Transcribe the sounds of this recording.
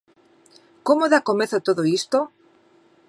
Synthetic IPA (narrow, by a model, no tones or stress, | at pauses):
komoðakomeθot̪oðoist̪o